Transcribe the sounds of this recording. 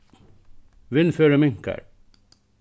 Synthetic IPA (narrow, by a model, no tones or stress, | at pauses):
ʋɪnføːɾəmɪŋkə̰ɾ